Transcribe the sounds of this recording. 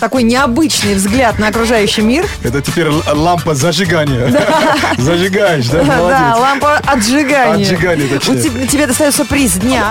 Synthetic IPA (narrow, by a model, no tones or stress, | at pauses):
t̪ɐko̞jnʲɪɐbɨt͡ɕnɨjvzɡlʲat̪̚nɐɐkɾʊʐajʉɕːɪjmʲirɛt̪ətʲɪpʲeɾʲlˠampəzəʐɨɡanʲɪjəd̪azəʐɨɡajɪʂd̪alˠd̪alˠampəɐd̪ʐɨɡanʲɪjəʐɨɡanʲɪjət̪əʊɪ | tʲɪbʲed̪əst̪ɐjot̪səpɾʲɪzʲd̪ʲnʲa